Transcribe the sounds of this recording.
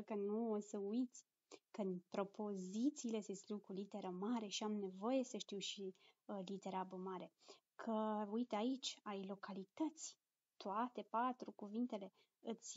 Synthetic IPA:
kənuosəujit̪sʲ | kɨnpɾo̞pʰo̞zit̪siːle̞sest̪lukɾulit̪e̞ɾəmaɾe̞ʃiamne̞vo̞je̞səʃt̪iwʃilit̪e̞ɾabəmaɾe̞ | kʰəujt̪ait͡ʃʲajlo̞kalit̪ət̪sʲ | t̪oat̪e̞pat̪ɾukuvint̪e̞le̞ | ɨt̪sʲ

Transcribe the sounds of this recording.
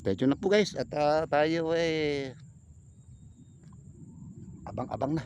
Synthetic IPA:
t̪at͡ʃunapuɡaisat̪at̪ajoe | abaŋa̰baŋna

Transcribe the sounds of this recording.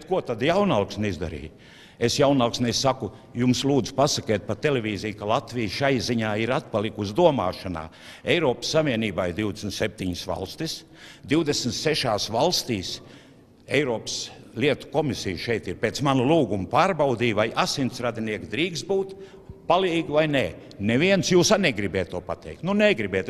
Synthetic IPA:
bet̪̚kuɔt̪ad̪jawnalˠksnizd̪a̰ɾḭːj | esjawnalˠksnɛsːaku | jumslˠuːd̪zʊ̥pasakɛːt̪̚pat̪elɛvʲiːzijkalˠat̪vijʃajziɲaːiɾat̪̚palˠikusd̪uɔma̰ːʃana̰ː | ɛjɾɔːpsːaviɛniːbaːiɾd̪iwd̪esnt̪sep̚ʲt̪iɲsʋa̰lˠst̪is | d̪iwd̪esn̩t̪seʃaːsvalˠst̪iːs | ɛjɾɔːps | lʲiɛt̪u̥kɔmisijʃɛjt̪iɾpeːt̪smanulˠuːɡumpaːɾbawd̪iːvajʔasint̪sɾad̪ʲiniɛkd̪ɾiːksbuːt̪ | paliːɡvajnɛ | nɛviɛnsjuːsanɛɡɾibɛːt̪ːuɔpat̪ɛ̰jk̚t̪nunɛɡɾibɛːt̪

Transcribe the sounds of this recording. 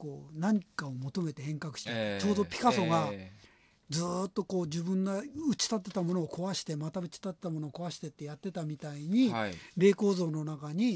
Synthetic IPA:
ko̞ːnaɲ̟ikao̞mo̞t̪o̞me̞t̪e̞hẽ̞ŋkakɯ̟̥ɕi̥t̪et͡ɕo̞ːd̪o̞pʲi̥kaso̞ɡa | d͡zɨːt̪ːo̞ko̞ːd͡ʑɨbɯ̟̃nɡaɯ̟t͡ɕi̥t̪at̪̬ːe̞t̪amo̞noːko̞βaɕi̥t̪e̞mat̪aɯ̟t͡ɕi̥t̪at̪ːet̪amo̞no̞ːko̞aɕi̥t̪e̞t̪ːe̞jat̪ːe̞t̪amʲit̪aiɲ̟iɾe̞ːko̞ːzo̞ːno̞nakaɲ̟i

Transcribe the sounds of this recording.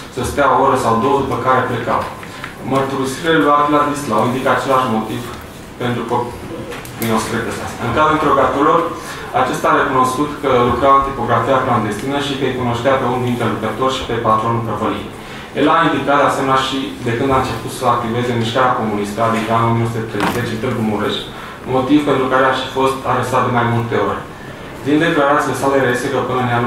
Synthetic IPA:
səst̪eaooɾəsawd̪o̞wəd̪upəkaɾe̞pleka̰w | mərt̪uɾisiɾeluat̪lad̪islaoind̪ikəat͡ʃe̞laʃmo̞t̪iv | pent̪ɾukopː | inoseɾekəsea̰st̪aɨŋkazɾuint̪ɾeoɡat̪uɾlor | at͡ʃe̞st̪aɾe̞kuno̞skut̪kəlukɾaɨnt̪ipo̞ɡɾafijakland̪e̞st̪inəʃikəjkuno̞ʃt̪eape̞und̪int̪ɾe̞lukət̪o̞rʲʃi̥pe̞pat̪ɾo̞npɾəvəlḭt̪ | je̞laind̪ikat̪d̪easemenʲaʃid̪e̞kɨnd̪aɨnt͡ʃe̞put̪səak̚t̪ive̞ze̞miʃkaɾeako̞munist̪əad̪ikaɨnominosut̪et̪ɾejze̞t͡ʃint̪ed̪umuɾeʃtʲ | mo̞t̪ivpe̞nt̪ɾukaɾeaʃi̥fo̞st̪aɾe̞sat̪̚d̪e̞majmult̪e̞o̞̰rʲ | d̪ind̪e̞klaɾat̪silesaleɾeesekəpɨnənan

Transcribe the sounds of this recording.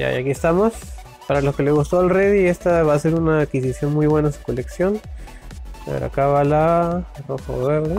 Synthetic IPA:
ja̰jakie̞st̪amo̞s | paɾalo̞ske̞le̞ɣust̪o̞alreðie̞st̪aβase̞ɾunaːkkisisjo̞nmujβwe̞nasu̥ko̞le̞ksjo̞n | eeɾo̰a̰kaβalaroxo̰βeɾðe

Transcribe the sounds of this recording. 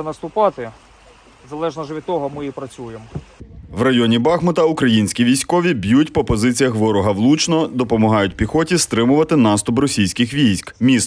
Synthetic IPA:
nɐst̪ʊpɑt̪ɪ | zɐlˠɛʒnɐʒɛʋʲid̪̚t̪ːɔɦɔmɪipɾɐt͡sʲujemʋrɐjɔnʲibɑxmɔt̪ɐukɾɐjinʲsʲkʲiʋʲijsʲkɔʋʲibʲjutʲpɔpɔzɪt͡sʲijɐxʋɔɾɔɦɐʋlˠut͡ʃnɔd̪ɔpɔmɔɦɑjʊtʲpʲixɔtʲist̪ɾɪmʊʋɐt̪ɪnɑst̪ʊprɔsʲijsʲkɪxʋʲijsʲkmʲist̪

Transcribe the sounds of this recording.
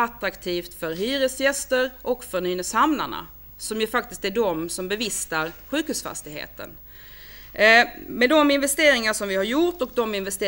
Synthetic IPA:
at̪ɾakt̪ʰiːft̪fœɾɦyːɾəsjɛst̪əɾʔɔkfœɳyːnəshamna̰ɳa̰ | sɔmjɵfak̚t̪ɪskt̪æɖɔmsɔmbɛvɪst̪aɾɧʉ̟ːkhʉːsfa̰st̪ɪɡɦḛːt̪ə̰n | mɛd̪ɔmɪnvɛst̪eːɾɪŋaʂɔmvɪhaɾjʊʈɔk̚d̪ɔmɪnvɛst̪eː

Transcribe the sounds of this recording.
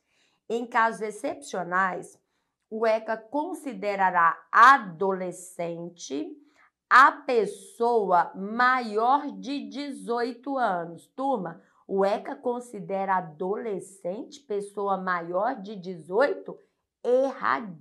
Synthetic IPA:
ẽj̃kazʊzesepsionajs | ʊɛkɐkõsid̪eɾaɾaad̪olesẽnt͡ʃɪ | ɐpesowɐmajɔɾd͡ʒɪd͡ʒɪzojt̪ʊɐ̃nʊst̪umɐ | ʊɛkɐkõsid̪ɛɾɐad̪olesẽnt͡ʃɪ̥pesowɐmajɔɾd͡ʒɪd͡ʒɪzojt̪ʊ | eha̰d͡ʒ

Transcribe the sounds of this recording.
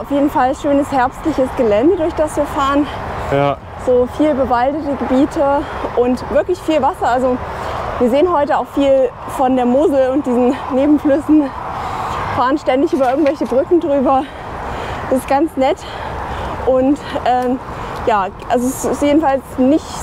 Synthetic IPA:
ʔaʊfjeːdn̩falʃøːnəshɛɐpstlɪçəsɡ̥əlɛndədʊɐçd̥asv̥iːɐfaːʁən | z̥oːfiːlbəvaldətəɡəbiːtʰəʔʊntv̥ɪɐklɪçfiːlvasɐalzoviːɐzeːənɦɔʏtəaʊxfiːl | fɔndeːɐmʊzl̩ʊnt̚d̥iːzn̩neːbm̩flʏsn̩ | faːʁənʃtɛndɪçʔyːbɐɪɐɡŋ̩tvɛlçəbʁʏkŋ̩dʁyːbɐ | d̥asɪstɡ̥ant͡snɛt | ʔʊntʔɛːjaːʔalzosɪstjeːdn̩falsnɪçt

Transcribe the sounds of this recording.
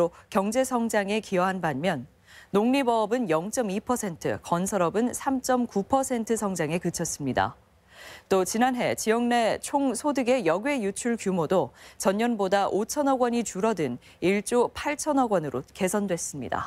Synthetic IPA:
okjʌŋd͡ʑe̞sʰʌŋd͡ʑaŋe̞kiʌɦanbanmjʌnː | oŋɲibʌbɯnjʌŋt͡ɕ͈ʌmipʰʌsʰe̞ntʰɯ̰kʌnsʰʌɾʌbɯnsʰamt͡ɕ͈ʌmkupʰʌsʰe̞ntʰɯsʰʌŋd͡ʑaŋe̞kɯt͡ɕʰʌs͈ɯmɲida̰ | t͈ot͡ɕinanɦe̞t͡ɕijʌŋne̞t͡ɕʰoŋsʰodɯɡe̞jʌɡwe̞jut͡ɕʰuɭkjumodot͡ɕʌɲɲʌnbodaʔot͡ɕʰʌnʌɡwʌɲit͡ɕuɾʌdɯn | iɭt͡ɕ͈opʰaɭt͡ɕʰʌnʌɡwʌnɯɾoke̞sʰʌndwe̞s͈ɯmɲḭda̰

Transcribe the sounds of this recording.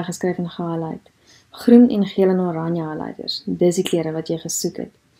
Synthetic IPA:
χəskrɛjfənχəɦələ̰jt | χrunɛ̰nχiələnoɾɐnjəlɐ̰jdə̰rsdəsdikliəɾəvɐtjəjχəsukɦɛ̰t

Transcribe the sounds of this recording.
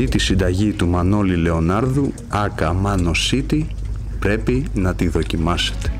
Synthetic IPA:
it̪isind̪ɐʝit̪umɐno̞lile̞o̞nɐɾðu | ɐkɐmɐno̞sit̪i | pɾe̞pinɐt̪iðo̞cimɐse̥t̪e̥

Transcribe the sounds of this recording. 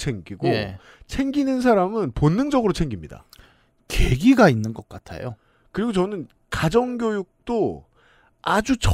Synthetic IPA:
t͡ɕʰe̞ŋɡiɡo | t͡ɕʰe̞ŋɡinɯns̬ʰaɾamɯnponːɯŋd͡ʑʌɡɯɾot͡ɕʰe̞ŋɡimɲida̰ | ke̞ɡiɡainːɯnɡʌk͈̚atʰa̰jo̰ | kɯɾiɡot͡ɕʌnɯn | kad͡ʑʌŋɡʲjojuk̚t͈o | ad͡ʑut͡ɕ

